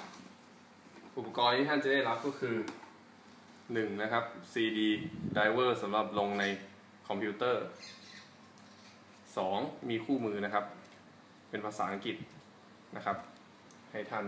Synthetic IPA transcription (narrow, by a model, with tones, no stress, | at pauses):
ʔu˨˩pːa˧kɔː˧nt̪ʰiː˥˩t̪ʰa˥˩nt͡ɕa˨˩da˥˩jɾa˦˥p̚kɔː˥˩kʰɯː˧ | nɯ˨˩ŋna˦˥kʰa˦˥p̚siː˧diː˧daː˧jwɤː˥˩sa˩˦mɾa˨˩p̚lo˧ŋna˧j | kʰɔ˧mpʰi˦˥t̪ɤː˥˩ | sɔː˩˦ŋmiː˧kʰuː˥˩mɯː˧na˦˥kʰa˦˥p̚ | pe˧npʰaː˧saː˩˦ʔa˧ŋki˨˩t̪̚ | na˦˥kʰa˦˥p̚ | ha˥˩jt̪ʰa˥˩n